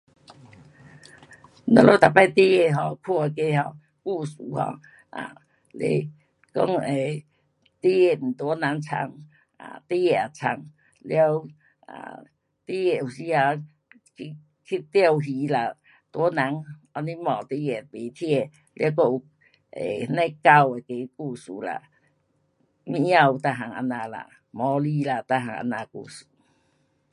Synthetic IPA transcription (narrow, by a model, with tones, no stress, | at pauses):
na̰˧lo˦t̪a˨˩pa˥˧jt̪i˦e˧˨ɦɔ˧˩kʰu˧a˧ke˦ɦɔ˧ | ku˥˧su˨˦hɔ̰˧ | ʔa̰˨ | lḛ˧˦ | kɔ̰˦ŋe˨ | t̪i˦e˧˨m̩˨˩t̪wɔ˧˦na˨˦ŋt͡sʰa̰˧ŋ | a̰˨t̪i˦je˧˨a˨˩t͡sʰa̰˧˩ŋ | lja˦w | a̰˨˩ | t̪i˦je˧u˨˩si˦a˧ | i˧ | kʰi˦t̪jə˧wɦi˨˦la˨ | t̪wnã˨˦ŋɔ˧˦nĩ˦mɔ̃˨t̪i˦je˨pe˨t̪ʰje˥˧˨ | lja˦˧˦k̬o˧u˧ | ḛ˨hnẽ˦ka˧we˨ke˨˦ku˧su˨˦la̰˨ | mĩ˧˦ja˧˨u˧t̪a˧˨ɦa˨˩ŋa̰˧nã˧la̰˨ | mɔ̃˨˧˦li˦la˨t̪a˧ɦa˨˩ŋʔa̰˧nã˧kṵ˧˨su˨˦